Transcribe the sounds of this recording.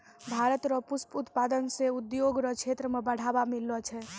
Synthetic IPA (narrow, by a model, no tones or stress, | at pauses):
bʱaɾət̪ɾɔpusput̪pad̪ənseud̪joɡɾɔkt͡ʃʰet̪ɾəmebəɽ̤abamilːɔt͡ʃʰɛ